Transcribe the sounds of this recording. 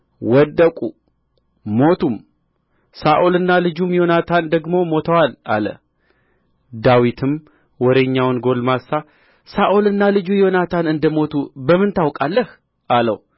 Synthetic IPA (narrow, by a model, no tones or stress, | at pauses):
wɔd̪ːəkʼu | mo̞t̪ʰum | saʔolɨnːalɨd͡ʒumjo̞nat̪ʰand̪əɡmo̞mo̞t̪ʰəwala̰lə̰ | d̪awit̪ʰɨm | wɔɾeɲːawnɡo̞lmasːa | saʔolɨnːalɨd͡ʒujo̞nat̪ʰanɨnd̪əmo̞t̪ʰubəmːɨnt̪awkʼalːəh | ʔalə̰w